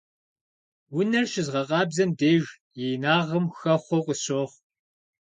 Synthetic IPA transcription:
wʊnɐrɕɪzʁɐqʼɑːbzɐmdeːʒ | jeːnaːʁɐmxɐχʷɔqʷʼəɕoːʁ

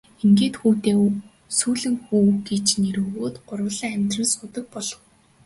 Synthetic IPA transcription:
eŋɡeːt̪xuːt̪eː | suːɮɘ̆ŋxuːɡet͡ɕneɾɵːɣoːt̪ɢʊrwə̆ɮaːŋæmʲt̪rə̆nsʊt̪ə̆k̚pɔɮɞ̆w

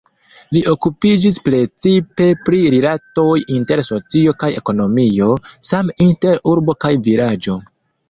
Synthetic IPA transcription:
liʔo̞kupid͡ʒispɾe̞t͡sipe̞pɾiɾilato̞jinte̞ɾso̞t͡sio̞kaje̞̰ko̞no̞mio̞saminte̞ɾuɾbo̞kajviɾad͡ʒo̞

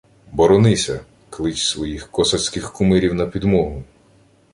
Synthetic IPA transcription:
bɔɾɔnɪsʲɐ | klˠɪt͡ʃsʋɔjixkɔsɐsʲkɪxkʊmɪɾʲiwnɐpʲid̪mɔɦʊ

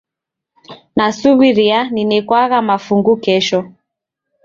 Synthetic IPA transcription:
nasuβiɾianinɛkwaɣamafuŋɡukɛʃɔ

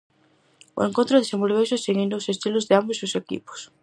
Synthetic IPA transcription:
o̰eŋkõnt̪ɾoðesembolβesoseɣind̪ʊːsest̪ilʊzðeambosiosekḭpo̥s

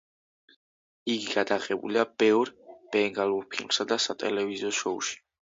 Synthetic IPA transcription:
iɡiɡad̪aʁɛbṵliab̥ɛvɾb̥ɛŋɡaluɾpʰilmsad̪asat̪ʼɛ̰lɛvizɔʃɔṵʃi̥

